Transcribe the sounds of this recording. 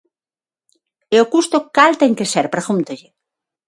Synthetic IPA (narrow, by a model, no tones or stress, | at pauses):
eokust̪okalt̪eŋkeseɾpɾexunt̪oʎe